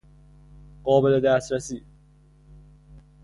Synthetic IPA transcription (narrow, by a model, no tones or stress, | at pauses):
ɢɒːbeled̪æːst̪ɾæsiː